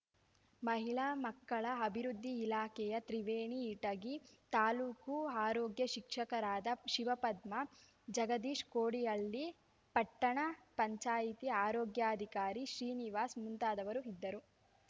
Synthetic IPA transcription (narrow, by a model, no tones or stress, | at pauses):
mɐɦiɭaːmɐkːɐɭɐɐbʱiɾud̪ʱːiːlaːkɛjɐt̪ɾiʋeːɳiːʈɐɡit̪aːluːkuaːɾoːɡjɐʃikʂɐkɐɾaːd̪ɐʃiʋɐpɐd̪mɐ | d͡ʒɐɡɐd̪iːʂkoːɽijɐɭːi | pɐʈːɐɳɐpɐɲt͡ʃaːjit̪iaːɾɔːɡjaːɐd̪ʱikaːɾiʃɾiːniʋaːsmunt̪aːd̪ɐʋɐɾuid̪ːɐɾu